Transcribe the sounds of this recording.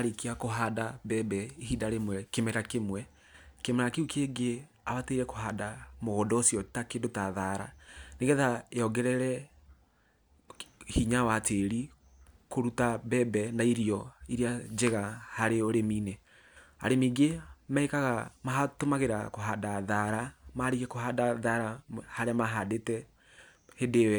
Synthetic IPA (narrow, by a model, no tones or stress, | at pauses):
aɾeikiakoɦaːdabɛbɛiidaɾemwɛkemɛɾakemwɛ | kemɛɾakeukeɡe | aβateiɾɛko̥ɦaːdamoɣodɔsijɔtakendotaðaɾa̰neɣɛðaeɔɡɛɾɛɾɛ | hiɲawateɾi | koɾutabɛbɛnaiɾiɔiɾiad͡ʒeɣahaɾeoɾemiːne | a̰ɾemiːɡemaekaɣamaɦatomaɣeɾakoɦadaðaɾamaɾiɣɛkoɦadaðaɾahaɾeamaɦadetɛ | hedew